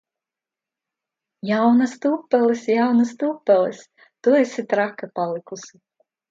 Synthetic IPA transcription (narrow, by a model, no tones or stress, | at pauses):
jawnast̪uːpːɛlˠisjawnast̪uːpːɛlˠis | t̪uesʲit̪ɾakapalˠikusʲi